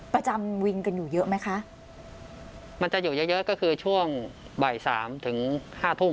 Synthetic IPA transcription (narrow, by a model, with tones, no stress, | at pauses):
pɾa˧t͡ɕa˧mwi˧ŋka˧njuː˨˩jɤ˦˥ʔma˦˥jkʰa˦˥ʔ | ma˧nt͡ɕa˨˩ʔjuː˨˩jɤ˦˥ʔjɤ˦˥ʔkɔː˥˩kʰɯː˧t͡ɕʰu˥˩əŋ | ba˨˩jsa̰ː˩˦mt̪ʰɯ˩˦ŋhaː˥˩t̪ʰu˥˩m